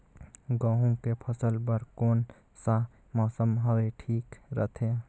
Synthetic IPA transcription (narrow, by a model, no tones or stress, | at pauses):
ɡə̃ɦũkepʰəsəlbəɾkoːn | sa | mɔːsəmɦəweʈʰiːkɾə̰t̪ʰe